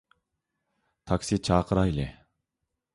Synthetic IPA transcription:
t̪ʰɑkʲsit͡ʃʰɑːqʰəɾɑjlɪ

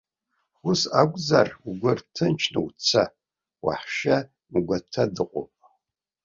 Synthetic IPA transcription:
xʊsaɡʷʼzaruɡʷʊrtʰɨnt͡ʃʰnɨwt͡sʰa | wa̰ħʃɐ | mɨɡʷatʰɐdɨqʷʼopʼ

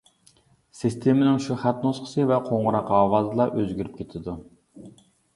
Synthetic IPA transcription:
sist̪ʰemɪnɪŋʃuχæt̪nosqʰə̥sɨvɛqʰoɴʁʊɾɑqɑːwɑːzɨlˠɑʔøzɡʲyɾyp̚ʲkʲʰet̪ʰɪd̪u

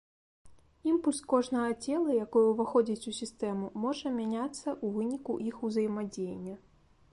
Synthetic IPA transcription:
impulʲskɔʐnɐɣɐt͡sʲɛlˠɐjakɔjɛwvaxɔd͡zʲit͡sʲusʲist̪ɛmumɔʐɐmʲanʲat̪sːɐʔuvɨnʲikuʔixuzɐjmad͡zʲejenʲːɐ

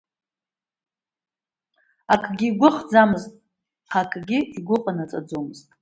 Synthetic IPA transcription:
akʼɡʲiːɡʷʊχd͡zamɨztʼ | χakʼɡʲɪiɡʷʊqʼanat͡sʼa̰d͡zomɨztʼ

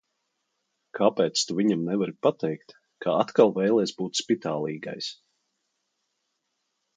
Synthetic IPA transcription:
kʰapɛːt̪st̪uviɲamnɛvaɾipat̪ɛjkt̪ | kaat̪kalˠvɛjlˠɛːsbuːt̪spit̪aːlˠiːɡa̰js

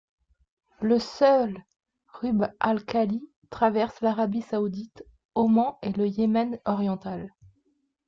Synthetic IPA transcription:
ləsœl | ʁybalkali | t̪χavɛʁslaʁabisaud̪it̪ | ɔmɑ̃eləjemɛnɔʁjɑ̃t̪al

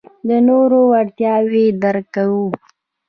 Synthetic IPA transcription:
d̪ənoɾowaɽt̪jɑwed̪aɾkawu

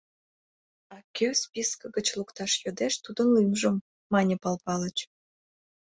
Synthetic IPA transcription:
ɑkʲøspiskəɣət͡ɕlukt̪ɑʃjød̪eʃt̪ud̪ənlymʒəmː | ɑnʲepɑlpɑlət͡ɕ

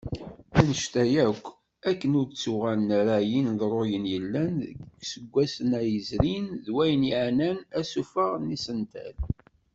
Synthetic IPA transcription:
ænəʃt̪æjækʷː | ækːənʊɾt͡sːuʁælnɾæjinðɾˤojənjəlːænɡsəɡʷːæsənæjəzɾinðwæjniʕnænæsufəʁnisənt̪æ̰l

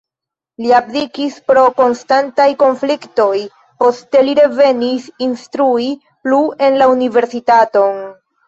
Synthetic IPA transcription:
liaplikispɾo̞ko̞nstantajko̞nflikto̞j | po̞ste̞liɾe̞ve̞nisinstɾui | plue̞nlaunive̞ɾsitato̞n

